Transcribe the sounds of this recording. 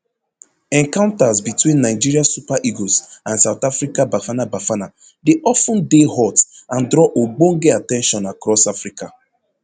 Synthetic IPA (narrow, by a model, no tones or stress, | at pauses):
ɛ̃ŋkãʊ̃ntazbitwĩnːaɪd͡ʒiɾiasupaʔiɡosãnsaʊtafɾikabafanabafana | deʔɔfũndehɔtãndɾɔʔoɡ͡bõŋɡeatɛ̃nʃɔ̃nakɾɔsafɹika